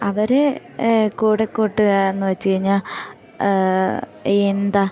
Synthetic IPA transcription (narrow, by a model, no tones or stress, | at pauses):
ɐʋɐɾe | kuːɽekːoːʈːɨɣɐenːɨʋɐt͡ɕːikɐɻiɲːa | end̪ɐ